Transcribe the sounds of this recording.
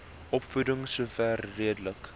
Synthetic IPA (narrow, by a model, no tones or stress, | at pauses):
ʔɔpfudəŋsuːfærːiədələk